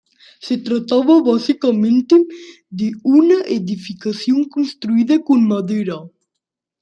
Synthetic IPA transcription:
set̪ɾat̪aβaβasikamẽnt̪ɪ | d̪ɪunɐʔeðifikaθjoŋkonst̪ɾuiðɐkonmaðeɾa

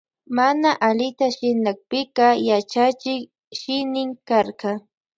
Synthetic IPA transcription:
manaʔalɪt̪aʃɪnak̚pɪkɑjat͡ʃat͡ʃɪk | ʃɪnɪŋkɑɾkɑ

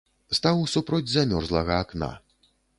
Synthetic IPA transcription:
st̪awsupɾɔd͡zʲzamʲɔrzlˠɐɣɐːkna̰

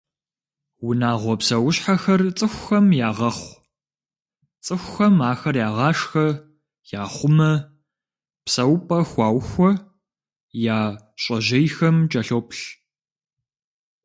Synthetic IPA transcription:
wʊnaːʁʷɔpsɐwʊɕħaxɐrt͡sʼɨxʷxɐmjaːʁɐχʷ | t͡sʼɨxʷxɐmaːxɐrjaːʁɑːʂxɐ | jaːχʷʊmɐ | psɐwpʼɐxʷɑːwxʷɔ | jaː | ɕʼɐʑɐjxɐmd͡ʒʼɐɬoːp̚ʰʼɬ

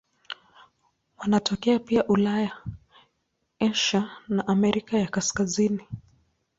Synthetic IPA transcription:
wanatɔkɛapiaʔulaja | ɛʃanaʔamɛɾikajakaskazini

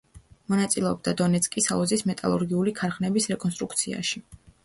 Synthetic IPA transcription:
mɔnat̪sʼilɛɔb̚d̪ad̪ɔnɛt̪sʰkʼisalˠɔzismɛt̪ʼa̰lˠṵɾɡiulikʰaɾχnɛbisɾɛkʼɔns̬t̪ʼɾukt̪sʰia̰ʃi

